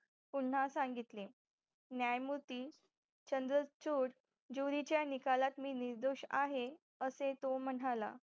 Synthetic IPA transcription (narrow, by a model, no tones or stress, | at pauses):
puɳ̤ːasãŋɡit̪le | njajmut̪iː | t͡ɕənd̪ɾət͡ɕuːɾ | d͡ʑuɾit͡ɕjanikalat̪miːniɾd̪oɕa̰ɦe | əset̪om̤əɽala̰